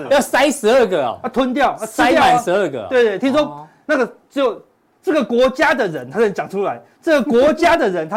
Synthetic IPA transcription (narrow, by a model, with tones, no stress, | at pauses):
jsa˥nʂɻ̩˧˥ə˥˩ɡə˨˩ɔ̰˨˩a˥˧t̪ʰwə˦˥nt̪̬jɑ˥˨ʊ˧t̪ʰa˥˦˥a˨˧˩nʂɻ̩˧˥ə˥˩ɡə̰˩we˥˧ɪt̪we˥˩t̪ʰi˥ŋswɔ˥ | na˥˩ɡə˩t͡ɕo˨˩ | ʈ͡ʂɤ˥˩ɡə˩kwɔ˧˥t͡ɕja˥d̪ə˨ɻə˨˦nt̪ʰa˥nə˧˦nt͡ɕja˨˩ŋʈ͡ʂʰu˥la˨˧˦ɪ | ʈ͡ʂə˥˩ɡə˩kwɔ˧˦˥t͡ɕja˥d̪ə˨ɻə˨˦nt̪ʰa˥